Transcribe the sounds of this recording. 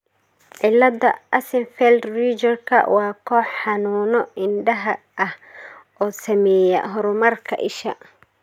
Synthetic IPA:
ʕɪlːɐd̪ɐɐsɪnfɛld̪riːt͡ʃɐrkʰɐ̰wɑːkʰɔːħħɑnuːnɔɪnɖɐɦɐ | ʔɐhʔɔːsɐmɛːjɐ̰ɦɔɾʊmɐrkʰɐ̰ʔɪʃɐ

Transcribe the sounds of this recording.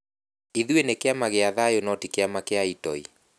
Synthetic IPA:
iðuenekeamaɣeaðajonɔtikeamakeaitɔi

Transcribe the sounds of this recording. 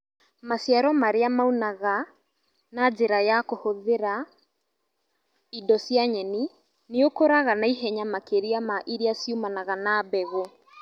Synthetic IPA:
masjaɾɔmaɾeamaunaɣa | nad͡ʒeɾajakohoðeɾa | idɔsjaɲɛni | neokoɾaɣanaiɦɛɲamakeɾiamaʔiɾiasiumanaɣanabɛɣo

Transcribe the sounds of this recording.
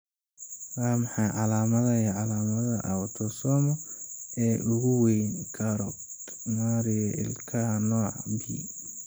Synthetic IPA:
wɑːmɑħɑjʕɑlaːmɐðɐiʕɑlaːmɐðɐʔɐwt̪ʰɔsɔːmɔɛːʔʊɣʊwɛjnkʰɐɾɔ | maːɾɪjɔʔɪ̰lkʰɐɐnɔːʕbiː

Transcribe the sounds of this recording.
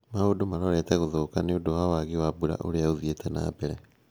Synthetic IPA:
maodomaɾɔɾɛtɛɣoðoːkaneodohawaɣiwabuɾa̰ʔo̰ɾeauðietʰɛna̰bɛɾɛ

